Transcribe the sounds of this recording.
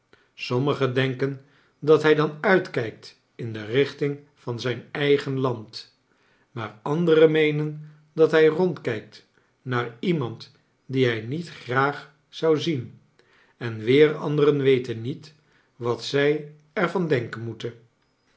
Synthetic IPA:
sɔməχədɛŋkən | dɑtɦɛjdɑnœɥtkɛjk̚t | ɪndərɪχtɪŋ | vɑnzɛjnɛjχənlɑnt | maːɹɑndərəmejnən | dɑtɦɛjrɔntkɛjk̚t | naːɹimɑnt | diɦɛjnitχraːχ | z̥ɑwzin | ɛnʋɪːrɑ̰ndərənʋejtənːit | ʋɑtsɛj | ɛɹvɑndɛŋkənmutən

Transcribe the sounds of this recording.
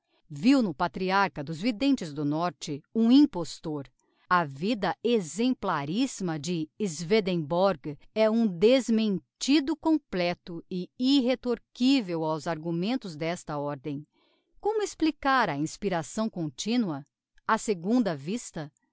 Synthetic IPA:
viwnʊpat̪ɾiaɾkɐd̪ʊzvid̪ẽnt͡ʃɪzd̪ʊnɔɾt͡ʃɪũĩpost̪oɾ | ɐvid̪ɐezẽmplaɾizmɐd͡ʒɪːzved̪ẽbɔɾɡɛũd̪ezmẽnt͡ʃid̪ʊkõplɛt̪ʊɪiɦet̪oɾkivewawzaɾɡumẽnt̪ʊzd̪ɛst̪ɐɔɾd̪ẽj̃ | kõmʊesplikaɾɐĩspiɾasɐ̃w̃kõnt͡ʃĩnuɐ | ɐseɡũnd̪ɐvist̪ɐ

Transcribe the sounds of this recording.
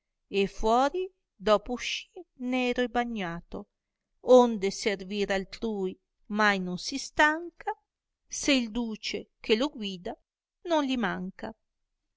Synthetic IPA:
efwɔːɾi | d̪ɔːpouʃinɛːɾoebaɲːaːt̪o | ond̪eserviːɾalt̪ɾuːj | majnonsist̪aŋka | seild̪uːt͡ʃekʰeloɡwiːd̪a | nonlimaŋka

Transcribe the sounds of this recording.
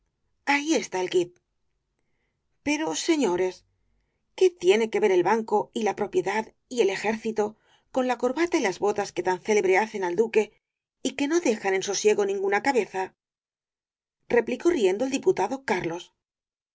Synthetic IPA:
aie̞st̪ae̞lɡit̪̚ | pe̞ɾo̞se̞ɲo̞ɾe̞s | ke̞t̪je̞ne̞ke̞βe̞ɾe̞lβaŋko̞ilapɾo̞pje̞ðað | ie̞le̞xe̞ɾθit̪o̞ | ko̞nlako̞ɾβat̪ailazβo̞t̪aske̞t̪anθe̞le̞βɾeaθe̞nald̪uke̞ | ike̞no̞ðe̞xane̞nso̞sje̞ɣo̞nĩŋɡunakaβe̞θa | re̞pliko̞rie̞nd̪old̪iput̪aðo̞kaɾlo̞s

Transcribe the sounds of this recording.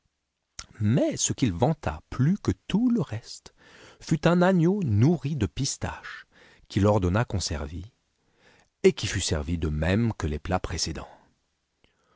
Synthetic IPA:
mɛsəkʲilvɑ̃t̪ʰa̰plykət̪uləʁɛst̪ | fyt̪ɛ̃naɲjonuʁid̪əpist̪a̰ʃ | kʲilɔʁd̪ɔnakɔ̃sɛ̰ʁvi | ekʲifysɛʁvid̪əmɛmkəleplapχesed̪ɑ̰̃

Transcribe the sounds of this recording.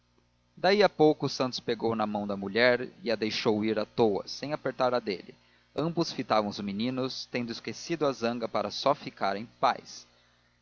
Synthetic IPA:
d̪aiapowkʊsɐ̃nt̪ʊ̥speɡownɐmɐ̃w̃d̪ɐmuʎɛɾɪɐd̪ejʃowiɾat̪owɐ̰sẽj̃apeɾt̪aɾɐd̪ḛlɪ̰ | ɐ̃mbʊsfit̪avɐ̃w̃ʊzminĩnʊst̪ẽnd̪ʊɪskesid̪ʊɐzɐ̃ŋɡɐpaɾɐsɔfikaɾẽj̃pa̰js

